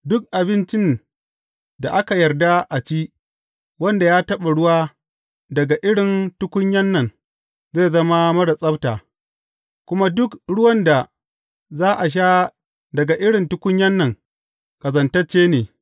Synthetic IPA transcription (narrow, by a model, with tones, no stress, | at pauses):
dʊ˦k̚ʔa˨bɪ˦nt͡ʃɪ˦n | da˨ʔa˦ka˨jɐ˨rda˦ʔa˨t͡ʃiː˦ʔ | wɐ˦nda˨jaː˦tɐ˦ɓa˨ɽʊ˦waː˦ | dɐ˨ɡa˨ʔɪ˦ɽɪ˨ntʊ˦kʷʊ˦ɲjɐ˦nːɐ˨n | zeː˦˨zɐ˦ma˦mɐ˦ɽa˨sʼɐ˦btaː˨ | kʷʊ˦ma˦dʊ˦kɽʊ˦wɐ˦nda˨ | zaː˦ʔa˨ʃ̬aː˦ | dɐ˨ɡa˨ʔɪ˦ɽɪ˨ntʊ˦kʷʊ˦ɲjɐ˦nːɐ˨ŋ | kɐ˨zɐ˨ntɐ˦t͡ʃːeː˦neː˨